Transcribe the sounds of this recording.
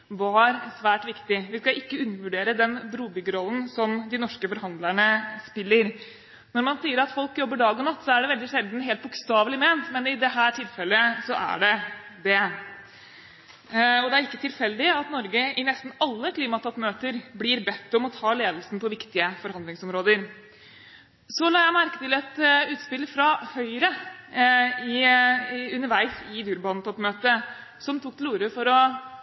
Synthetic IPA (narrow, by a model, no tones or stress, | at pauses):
ʋɑɾsʋæːʈʋɪkt̪ɪʋɪskɑʔɪkːəʉnːəʋʉɖeːɾəd̪ɛnbɾuːbʏɡəɾɔlːn̩sɔmd̪ɪnɔʂkəfɔɾhɑnd̪læɳəspɪlːəɾ | nɔɾmɑnsiːəɾɑt̪fɔlkjɔbːəɖɑːɡɔnɑt̪ːsɔæɖɛʋɛld̪ɪʂɛld̪nɦeːlt̪̚bʊkst̪ɑːʋlɪmeːnt̪mɛnɪd̪ɛɦæːʈʰɪlfɛlːəsɔʔæ̰ɖɛd̪ɛ | ɔd̪ɛæɾɪkːət̪ʰɪlfɛld̪ɪɑt̪nɔɾɡəɪnɛst̪n̩ɑlːəkʰliːmɑt̪ʰɔpmøːt̪əɾblɪɾbɛt̪ːɔmɔt̪ʰɑːleːd̪lsn̩pʰɔʋɪkt̪ɪəfɔɾhɑnd̪lɪŋsɔmɾoːd̪əɾ | sɔlɑːjæɪmæɾkət̪ɪlɛt̪ʉːt̪spɪlfɾɑhœʏɾə | ɪ | ʉnːəɾʋæɪsɪd̪ʉːɾbɑːnt̪ʰɔpmøːt̪ə | sɔmt̪ʰuk̚ːt̪ʰɪluːɾəfɔɾɔ